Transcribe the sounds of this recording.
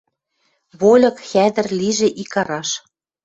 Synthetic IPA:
βolʲɤ̆kxæd̪ə̆rliʒĕʔikɑɾɑʃ

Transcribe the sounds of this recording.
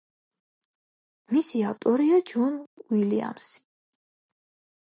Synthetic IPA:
misiavt̪ʼɔɾiad͡ʒunwilia̰msi̥

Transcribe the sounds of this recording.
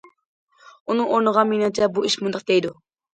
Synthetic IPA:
unɨŋoɾnəʁɑminɪŋt͡ʃʰɛbuiʃmund̪ɨq̚d̪ejd̪u

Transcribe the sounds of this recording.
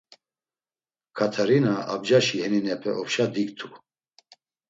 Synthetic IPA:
kʰat̪ʰaɾinaab̚d͡ʒaʃihɛninɛpʰɛʔɔpʃad̪ikt̪ʰu̥

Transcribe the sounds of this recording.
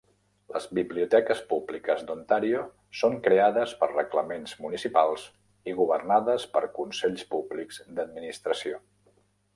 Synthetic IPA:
lə̰zβiβliut̪ɛkəspublikəzd̪unt̪aɾio | soŋkɾeaðəspərrəkləmenzmunisipalˠz | iɣuβərnaðəspəɾkunsɛʎspublikz̥d̪əd̪̚minist̪ɾəsio

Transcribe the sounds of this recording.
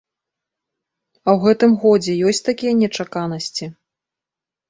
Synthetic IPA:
ɐwɣɛt̪ɨmɣɔd͡zʲɛjɔsʲt͡sʲt̪akʲijɐnʲɛt͡ʂakanɐsʲt͡sʲi

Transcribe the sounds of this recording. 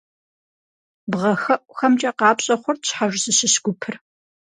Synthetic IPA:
bʁɐxɐʔʷʼxɐmt͡ʃʼɐqɑːpɕʼɐχʷɔrɕħaʒsɨɕɨɕɡʷʊpʰɨr

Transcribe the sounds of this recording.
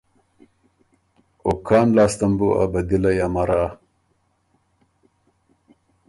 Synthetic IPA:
okʰɑːnlaːst̪ɐmbua̰bɐd̪ilajamaɾa

